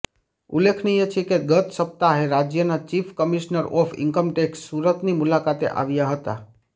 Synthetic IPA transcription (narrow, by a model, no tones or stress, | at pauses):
ṵlekʰnijet͡ʃʰekeɡət̪səp̚t̪aɦeɾad͡ʒjənat͡ʃifʰkəmiʃnəɾɔfʰɪ̰ŋkəmʈeksuɾət̪nimulakat̪ḛʔa̰ʋjaɦət̪a̰